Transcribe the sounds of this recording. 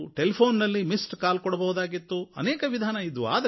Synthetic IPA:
ʈelpʰoːnnɐlːimisʈkaːlkɔɽɐbɐɦud̪aːɡit̪ːuɐ̰nɛːkɐʋid̪ʱaːnɐid̪ua̰ːd̪ɐ

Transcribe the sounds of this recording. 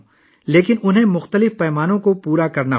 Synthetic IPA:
leːkɪnʊnɦẽmʊxt̪əlɪfpɛːmaːnõkopuːɾakɐɾna

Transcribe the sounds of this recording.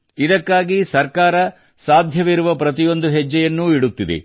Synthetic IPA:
id̪ɐkːaːɡisɐɾkaːɾɐ | saːd̪ʱjɐʋiɾuʋɐpɾɐt̪ijo̞nd̪uɦɛd͡ʒːɛjɐnːuiɽut̪ːid̪ḛ

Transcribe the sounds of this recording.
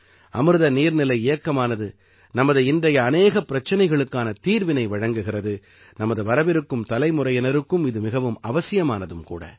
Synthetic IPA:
ɐ̰mɯɾɯðɐniːɾnɪlɐɪɪjɐkːɐmaːnɐðɯ | nɐmɐðɯɪndrɐjɐːneːɣɐpːɪɾɐt͡ʃːɐnɐɪɣɐɭɯkːaːnɐt̪iːɾʋɪnɐɪʋɐɻɐŋɡɯɣɪrɐðɯ | nɐmɐðɯʋɐɾɐʋɪɾɯkːɯmt̪ɐlɐɪmɯrɐjɛnɐɾɯkːɯmɪðɯmɪɣɐʋɯmɐʋɐsɪjɐmaːnɐðɯmkṵːɽɐ̰

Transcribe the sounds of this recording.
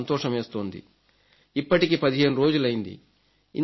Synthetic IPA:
nt̪ɔːʂɐmeːst̪o̞ːnd̪ḭ | ipːɐʈikiːpɐd̪iɦe̞ːnuɾo̞ːd͡ʒulɐjind̪ḭ | ḭn

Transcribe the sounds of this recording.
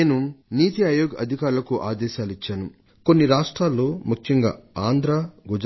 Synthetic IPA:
eːnuniːt̪iaːjoːɡɐ̰d̪ʱikaːɾulɐkuʔaːd̪ɛːʃaːlit͡ʃːaːnu | konːiɾaːʂʈɾaːlːoːmukʰjɐŋɡa̰ːaːnd̪ʱɾaːɡud͡ʒ

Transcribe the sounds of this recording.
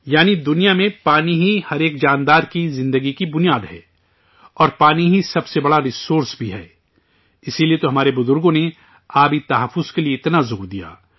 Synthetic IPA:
jaːnid̪ʊnijamẽpaːniɦihɐɾeːkd͡ʒaːnd̪aːɾkizɪ̃nd̪əɡikibʊnijaːd̪ɦɛ̰ː | ɔːɾpaːniɦisɐbsebɐɽaɾɪsoːɾsbʱiɦɛ̰ː | ɪsiliet̪oɦɐmaːɾebʊzʊɾɡõne | aːbʱit̪ɐɦəfːʊz̥kelieɪt̪nazoːɾd̪ija̰ː

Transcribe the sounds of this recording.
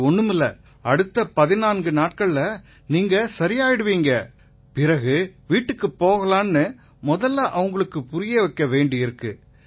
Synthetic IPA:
ɔɳːɯmɯlɐ | ɐɽɯt̪ːɐpɐðɪnaːnɡɯnaːʈ̚kɐɭlɐ | niːŋɡɐsɐɾɪjaːjɪɽɯʋiːŋɡɐ | pɪɾɐɣɯʋiːʈːɯkːɯpːoːɣɐlaːnːɯ | mɔðɐlːaʔɐʋɯŋɡɐɭɯkːɯpʊɾɪjeʋɐkːɐʋeːɳɖɪɪɾɯkːɯ

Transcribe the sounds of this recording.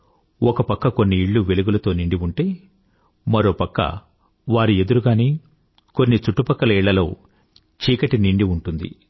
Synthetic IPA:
ɔkɐpɐkːɐko̞nːiːɭːuʋe̞luɡulɐt̪o̞ːniɳɖiuɳʈe̞ː | mɐɾo̞ːpɐkːɐ̰ | ʋaːɾie̞d̪uɾuɡaːneː | ko̞nːit͡ʃuʈːupɐkːɐlɐiːɭːɐlo̞̰ː | t͡ʃiːkɐʈiniɳɖiuɳʈund̪ḭ

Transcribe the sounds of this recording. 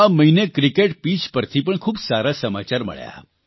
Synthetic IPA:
aməɦinekɾikeʈpid͡ʒpəɾt̪ʰipəɳkʰuːbsaɾasəma̰t͡ɕaɾmə̰ɭja̰

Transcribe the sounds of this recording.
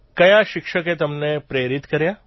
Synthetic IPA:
kɐjaʃɪkʃəket̪ɐmnepɾeːɾɪt̪kɐɾjaː

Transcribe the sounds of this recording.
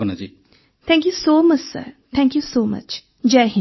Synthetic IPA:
ənad͡ʒi | t̪ʰɛ̃ŋkjusoːmɐt͡ʃsə̰ɾt̪ʰɛ̃ŋkjusoːmɐ̰t͡ʃ | d͡ʒɛɦɪ̃

